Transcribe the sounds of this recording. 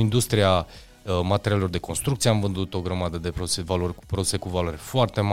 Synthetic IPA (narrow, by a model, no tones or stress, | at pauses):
ind̪ust̪ɾia | mat̪e̞ɾʲijalelo̞rd̪e̞ko̞nst̪ɾuk̚t̪sijeamvɨnd̪ut̪o̞ɡɾəmad̪əd̪e̞pousevalorʲpɾod̪u̥se̞kuvalaɾʲfoart̪e̞ma